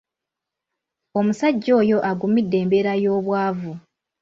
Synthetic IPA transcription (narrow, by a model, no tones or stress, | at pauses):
o̞musaɟːo̞ːjo̞ʔaɡumidːe̞ːmbe̞ɾajo̞ːβwaːvu